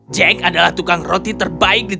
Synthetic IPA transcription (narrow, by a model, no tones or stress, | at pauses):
d͡ʒɛkadalaht̪ukaŋrot̪it̪ərbaɪk̚di